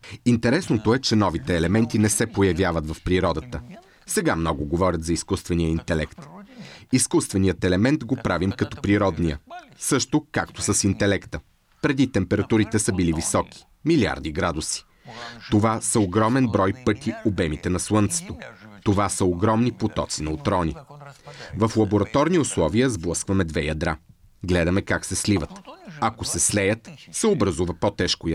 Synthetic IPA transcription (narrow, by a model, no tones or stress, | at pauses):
int̪ɛɾɛsnot̪oɛt͡ʃɛnɔvit̪ɛːlɛmɛnt̪inɛsɛpojɐvʲjavət̪vɐfpɾiɾɔd̪ət̪ə | sɛɡamnɔɡʊɡovɔɾʲət̪zɐiskust̪vɛnijəint̪ɛlɛ̰kt̪iskust̪vɛnijət̪ɛlɛmɛnt̪ɡopɾavimkɐt̪ɔpɾiɾɔd̪nijə̰sɤʃt̪okakt̪osəsint̪ɛlɛkt̪ə | pɾɛd̪it̪ɛmpɛɾɐt̪uɾit̪ɛsəbilivisɔk̟i̥ | milia̰ɾd̪iɡɾad̪usi̥ | t̪ovasəoɡɾɔmɛnbɾɔjpɤt̪iobɛmit̪ɛnɐslˠɤnt̪sɛ̥t̪ot̪ovasəoɡɾɔmnipot̪ɔ̰t̪sinɐot̪ɾɔnʲi | vəflˠɐboɾɐt̪ɔɾniʊslˠɔviəzblˠɤskvɐmɛd̪vɛjɐd̪ɾa | ɡlɛd̪ɐmɛkaksɛslivət̪ɐkosɛslɛjət̪sɛobɾɐzuvəpot̪ɛʃkoj